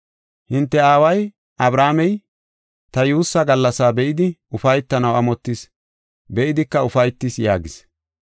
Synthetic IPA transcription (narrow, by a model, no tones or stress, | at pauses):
hɪnt̪ːɛaːwɐj | ʔɐbɾaːmɛj | t̪ɐjuːsːɐɡɐlːɐsaːbɛʔɪd̪ɪʊfɐjt̪ːɐnɐwɐmɔt̪ːɪs | bɛʔɪd̪ɪkːɐʊfɐjt̪ːɪsjaːɡɪs